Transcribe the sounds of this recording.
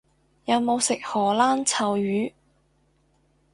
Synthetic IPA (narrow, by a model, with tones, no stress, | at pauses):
jɐ˨˧wmo˨˧wsɪ˨k̚hɔː˨˩laː˥nt͡sʰɐ˨wjyː˨˥